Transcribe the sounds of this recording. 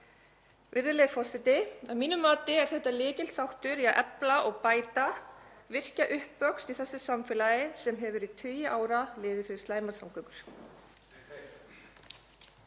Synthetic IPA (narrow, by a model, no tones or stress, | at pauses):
vɪɾðɪlɛðfɔr̥sɪt̪ɪamiːnʏmːaːt̪ɪɛɾ̥θɛht̪ːalɪːcɪlt̪θawht̪ʏɾiaʔɛplaʔɔɣpaːjt̪avɪr̥caʔʏhpːœkst̪iθɛsːʏsamfɪlajɪsɛmɦɛvʏɾit̪ʰʏːjɪʔaːwɾalɪːðɪfɪɾɪ̥st̪aːjmaɾ̥sawŋkœkʏɾ̥